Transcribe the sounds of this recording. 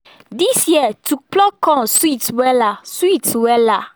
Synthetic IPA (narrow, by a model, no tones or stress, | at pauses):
disjɛtuk͡plɔkɔ̃switwɛlaswitwɛla